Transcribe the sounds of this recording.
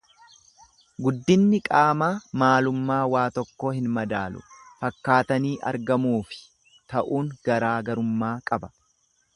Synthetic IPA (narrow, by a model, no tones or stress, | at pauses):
ɡʊd̪ːɪnːɪkʼaːmaːmaːlʊmːaːwaːt̪ɔkːoːhɪnmɐd̪aːlʊ̰fɐkːaːt̪ɐniːʔɐ̰ɾɡɐmuːfɪ̥ | t̪ɐʔuːŋɡɐɾaːɡɐɾʊmːaːkʼɐbɐ̥